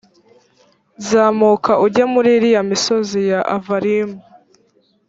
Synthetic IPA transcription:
zaːmuːkaʔuɟamuɾiɾijamiso̞zijaʔavaɾimu

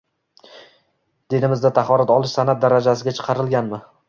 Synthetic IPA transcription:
d̪̥e̞d̪ɪmɪzd̪at̪ʰaχɒɾat̪ɒlˠɪʃsanat̪̚d̪aɾad͡ʒasɪɡʲat͡ʃʰɨ̥qʰɑɾɪlˠɡʲanmɪ

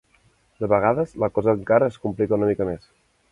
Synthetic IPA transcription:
d̪əβəɣ̞aðəzləkɔzəːŋkaɾəːskumplikəunəmikəmes

